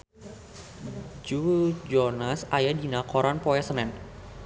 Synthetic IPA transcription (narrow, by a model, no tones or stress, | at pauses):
d͡ʒud͡ʒɔnasajadinakɔɾanpɔasənɛn